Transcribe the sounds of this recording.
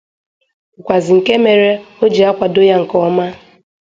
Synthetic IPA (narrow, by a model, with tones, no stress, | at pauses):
ʊ˨kʷa˨zɪ˨ŋ̩˨ke˦me˨ɾe˦o˦d͡ʒi˨a˦kʷa˨do˦ja˦ŋ̩˨kɔ˦ma˦